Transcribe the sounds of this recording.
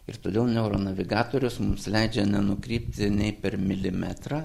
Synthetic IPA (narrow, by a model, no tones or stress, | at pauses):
ɪ̰ɾt̪oːd̪ʲeːlˠnʲɛʊɾoːnɐʋʲɪɡɑːt̪oːɾʲʊsmʊmslʲɛɪd͡ʒʲɛnʲɛnʊkɾʲiːpʲt̪ʲɪnʲɛɪpʲɛɾmʲɪlʲɪmʲæːt̪ɾɑ